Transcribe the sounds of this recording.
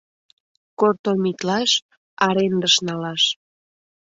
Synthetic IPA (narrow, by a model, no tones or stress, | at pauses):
kort̪omit̪lɑʃ | ɑɾend̪əʃnɑlɑʃ